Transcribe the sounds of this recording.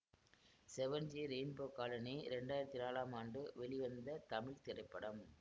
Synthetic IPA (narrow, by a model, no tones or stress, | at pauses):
sɛʋɐnd͡ʒiːɾeːnboːkaːlɐniɾɛɳɖaːjɪɾɐt̪ːinaːlaːmaːɳɖɯʋɛɭɪʋɐnd̪ɐt̪ɐmɪɭt̪ɪɾɐɪpːɐɽɐm